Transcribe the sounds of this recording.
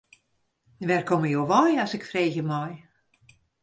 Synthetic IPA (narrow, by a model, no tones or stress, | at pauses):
ʋɛrkɔməjowʋɔjasɪkfrejɣəmɔj